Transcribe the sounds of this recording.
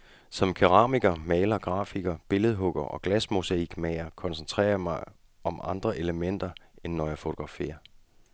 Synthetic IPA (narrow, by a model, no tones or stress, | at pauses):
sɒ̽mkʰyʁɑ̈ːmiɡ̥ɐmɛːlɐɡ̥ʁɑ̰̈ːfiɡ̥ɐb̥e̝ləð̞̩ˠɦɔ̽ɡ̥ɐʔɒ̽ɡ̥læsmusæiɡ̥mɛɪɐkʰɒ̽nsent͡sʰʁɛ̰ːɐjmɑ̈ɪ | ɒ̽mʔɑ̈nd̥ʁɐʔe̝ləmen̰d̥ɐenːɒjɑfo̝t͡sʰo̝̥ɡ̥ʁɑ̈fe̝̰ːɐ